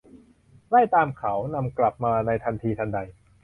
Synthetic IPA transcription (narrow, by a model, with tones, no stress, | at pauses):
la˥˩jt̪aː˧mkʰa˩˦wna˧mkla˨˩p̚maː˧na˧jt̪ʰa˧nt̪ʰiː˧t̪ʰa˧nda˧j